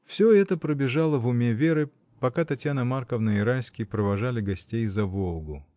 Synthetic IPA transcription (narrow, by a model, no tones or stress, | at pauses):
fsʲoɛt̪əpɾəbʲɪʐalˠəvʊmʲevʲeɾɨ | pɐkat̪ɐtʲjanəmarkəvnəɪɾajsʲkʲɪjpɾəvɐʐalʲɪɡɐsʲtʲejzɐvolˠɡʊ